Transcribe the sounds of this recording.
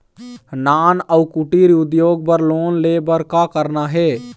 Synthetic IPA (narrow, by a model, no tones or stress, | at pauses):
naːnəukuʈiɾʊd̪joːɡ̚pəɾloːnlebəɾkakəɾnaɦɛ